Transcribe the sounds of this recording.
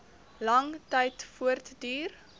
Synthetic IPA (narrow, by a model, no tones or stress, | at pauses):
lɐŋtɛjtfuərtdyːr